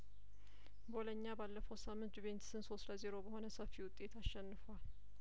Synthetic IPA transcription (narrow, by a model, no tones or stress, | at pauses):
boləɲːabalːəfəwsamːɨnt̪be̞nt̪sɨnso̞sləzeɾo̞bəho̞nəsəfːiwʊt̪ʼːe̞t̪ʰaʃːɛnːɨfwal